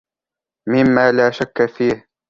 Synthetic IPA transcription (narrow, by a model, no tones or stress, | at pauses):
mɪmːaːlaːʃakːafiːh